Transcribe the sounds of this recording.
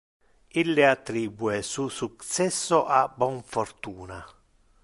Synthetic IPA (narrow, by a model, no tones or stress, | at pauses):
ilːɪat̪ːɾiːbuɛsusuk̪sɛsːʊʔabːɔɱfɔrt̪uːna